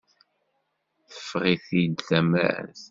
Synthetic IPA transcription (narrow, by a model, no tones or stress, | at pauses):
θə̥fːʁiθid̪θæmæ̰æ̰θ